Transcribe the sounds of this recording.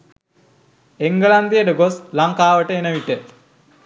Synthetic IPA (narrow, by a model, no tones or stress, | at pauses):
eŋɡəland̪ijəʈəɡoslaŋkaːʋəʈəenəʋiʈe